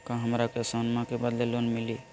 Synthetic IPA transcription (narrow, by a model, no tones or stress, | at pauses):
kãɦəmɾakesənmãkebəd̪lelonmili